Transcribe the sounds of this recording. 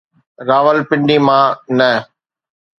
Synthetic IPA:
ɾaːʋəlpɪ̃ɳɖimãːnə

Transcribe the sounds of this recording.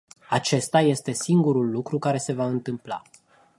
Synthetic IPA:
at͡ʃe̞st̪aje̞st̪e̞siŋɡuɾulːukɾukaɾe̞se̞vaɨnt̪ɨmpla̰

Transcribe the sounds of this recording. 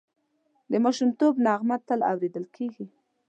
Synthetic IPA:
d̪əmaʃumt̪obnɑɣmat̪ala̰wɾed̪əlkʰeɡi

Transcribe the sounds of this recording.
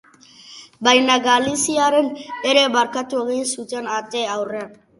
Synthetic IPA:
bajnaɡalisiaɾeneɾebaɾkat̪uɣisut͡ʃenat̪eawrean

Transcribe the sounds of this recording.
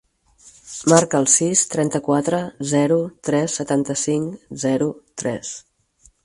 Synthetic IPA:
maɾkəːlˠsist̪ɾɛnt̪əkwat̪ɾəzɛɾut̪ɾɛsːət̪ant̪əsiŋzɛɾut̪ɾɛs

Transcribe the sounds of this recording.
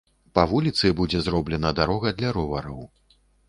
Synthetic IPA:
pɐvulʲit̪sɨbud͡zʲɛzɾɔblʲɛnɐd̪aɾɔɣɐd̪lʲɐɾɔvɐɾɐw

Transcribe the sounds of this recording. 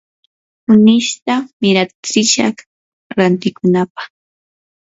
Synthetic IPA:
ʊnɪʃt̪amɪɾat͡sɪʃɑ̰χ | ɾant̪ɪkʊnapḁχ

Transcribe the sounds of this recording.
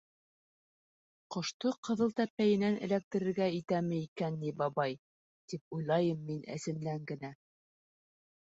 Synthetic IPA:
qŏʃt̪oqɤ̆ðɤ̆lˠt̪æpːæjɘ̆nænɘ̰̆læk̚t̪ɘ̆ɾɘ̆ɾɡæit̪æmɘ̆ikænːibɑβɑj | t̪ip̚ujlˠɑjɤmːinʔɘ̰̆sɘ̆nlæŋɡɘ̆næ

